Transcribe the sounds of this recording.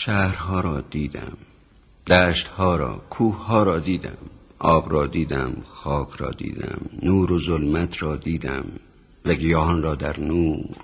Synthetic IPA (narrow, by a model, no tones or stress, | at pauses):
ʃæhɾɦɒːɾɒːd̪̥iːd̪æ̰m | d̪̥æːʃt̪hɒːɾɒ̰ːkʰuːhhɒːɾɒːd̪iːd̪æ̰mʔɒːbɾɒːd̪iːd̪æ̰mxɒːkʰɾɒ̰ːd̪ḭːd̪æ̰mnuːɾozolmæt̪ʰɾɒːd̪iːd̪æ̰m | væɡijɒːɦɒnrɒːd̪æɾnuːɾ